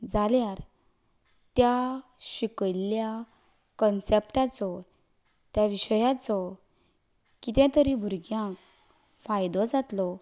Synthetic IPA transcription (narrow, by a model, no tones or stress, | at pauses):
d͡zaljaɾ | t̪jaɕikəlja | kənsepʈat͡sɔ | t̪jaʋiɕəjat͡sɔ | kit̪jãt̪əɾibʱuɾɡjãk | fajd̪ɔd͡zat̪lɔ